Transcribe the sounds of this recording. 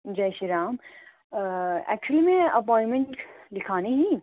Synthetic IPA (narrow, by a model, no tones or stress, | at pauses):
d͡ʒɐːʃiɾaːm | ɛ̰ːk̚t͡ʃuəlimẽɐpɔ̃ːɪ̃nmẽɳʈlɪkʰaːniɦĩ